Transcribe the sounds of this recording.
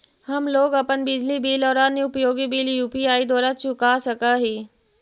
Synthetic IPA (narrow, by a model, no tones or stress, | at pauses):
hɐmloːɡɐpənbɪd͡ʑlibiːlɔːɾaːniʊpjoːɡibiːljuːpiaːid̪ɔːɾat͡ʃʰʊkasɐkaɦiː